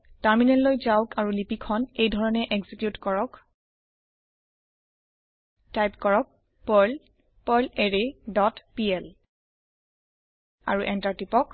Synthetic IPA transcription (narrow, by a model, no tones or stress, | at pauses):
taɹminɛlːojzaʊkaɹulipikʰɔnejdʱɔɹɔnɛʔeɡzikjutkɔɹɔk | tajpkɔɹɔk̚ | pɔjl | pɔjleɹedɔtpiɛl | a̰ɹuʔɛntaɹtipɔk